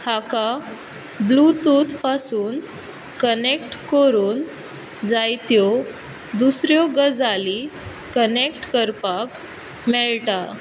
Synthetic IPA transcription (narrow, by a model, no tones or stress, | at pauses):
haka | blut̪ut̪pasuːn | kənekʈkoɾuːn | d͡zajt̪jɔ | d̪usɾjɔɡəd͡zali | kənekʈkəɾpak | mɛɭʈa